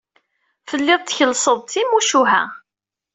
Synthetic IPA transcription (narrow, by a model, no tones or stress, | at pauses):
fəlːɪðˤt̪ːçəlsˤəðˤt̪imuʃuɦæ̰